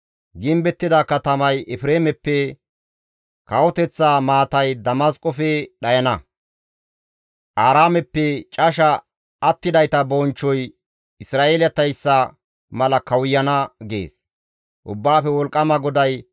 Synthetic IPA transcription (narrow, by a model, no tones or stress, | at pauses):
ɡɪmbɛt̪ːɪd̪ɐkɐt̪ɐmɐjɛfɾeːmɛpːɛ | kɐwɔt̪ɛt͡sːaːmaːt̪ɐjd̪ɐmɐskʼɔfɛɗɐjɐnɐ | ʔaːɾaːmɛpːɛt͡ʃʼɐʃɐ | ɐt̪ːɪd̪ɐjt̪ɐbɔnt͡ʃːɔj | ɪsɾaːʔeljɐt̪ɐjsːɐ | mɐlɐkɐwʊjːɐnɐɡḛːs | ʔʊ̰bːaːfɛwɔlkʼːɐmɐɡɔd̪ɐj